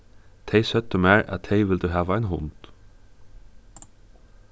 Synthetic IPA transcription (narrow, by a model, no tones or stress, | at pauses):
t̪ʰɛɪsœt̪ːəmæːɹæ̰t̪ʰːɛɪʋɪld̪ʉɦæːʋaæɪnɦʊ̰nt̪